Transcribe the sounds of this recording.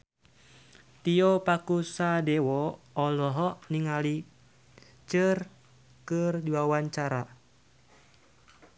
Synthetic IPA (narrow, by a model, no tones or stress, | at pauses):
t̪iɔpakusadɛwɔːlɔɦɔniŋali | t͡ʃɨr | kɨrdiwawaɲt͡ʃaɾa